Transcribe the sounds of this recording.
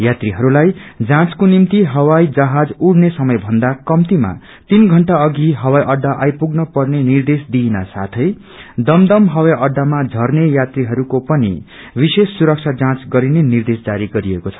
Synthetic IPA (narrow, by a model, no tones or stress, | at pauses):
jat̪riɦʌɾulajd͡zãt͡skonimt̪iɦʌwajd͡zʌɦad͡zuɽnesʌmʌjbʱʌnd̪akʌmt̪ima̰ | t̪inɡʱʌɳʈaʌɡiɦʌwajʔʌɖːaʔajpuɡnʌpʌrnenird̪esd̪ina̰sa̰t̪ʰʌj | d̪ʌmd̪ʌmɦʌwajʌɖːamad͡zʱʌrnejat̪riɦʌɾukopʌnḭ | bisesːuɾʌk̚t͡sʰad͡zãt͡sɡʌɾinenird̪esd͡zaɾiɡʌɾiekot͡sʰʌ̥